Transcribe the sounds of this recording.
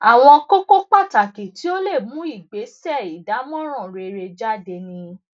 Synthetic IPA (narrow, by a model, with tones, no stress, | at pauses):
a˨w̃ɔ̃˧ko˦ko˦k͡pa˦˨ta˨ki˨ti˨˦o˦le˦˨mũ˨˦i˦˨ɡ͡be˨˦sɛ˦˨i˨da˨˦mɔ̃˦ɾ̃ɔ̃˦˨ɾe˧ɾe˧d͡ʒa˦˨de˧nĩ˧